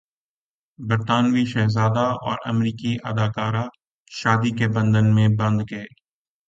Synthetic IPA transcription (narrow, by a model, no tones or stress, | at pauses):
bəɾt̪aːnʋiʃɛːɦzaːd̪aɔ̰ːɾə̰mɾiːkiʔə̰d̪aːkaːɾa | ʃaːd̪ikebɐ̃nd̪ənmẽbɐ̃nd̪ɡɐeː